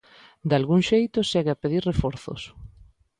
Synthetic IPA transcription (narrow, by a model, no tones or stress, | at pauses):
d̪alɣuŋʃejt̪ʊʃɛɣeapeðiɾrefɔɾθo̰s